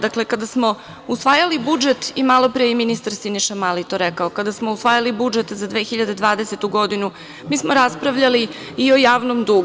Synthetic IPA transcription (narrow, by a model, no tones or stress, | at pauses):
d̪akle̞kad̪asmo̞ | usʋaːjalibud͡ʒe̞t̪imalo̞pɾeiminist̪aɾsiniʃamalit̪oɾɛkaokad̪asmo̞usʋaːjalibud͡ʒe̞t̪zad̪ʋe̞ːxiʎad̪e̞d̪ʋaːd̪e̞se̞t̪uɡo̞d̪inu | miːsmoɾaspɾaʋʎaliː | o̞jaːʋnomd̪u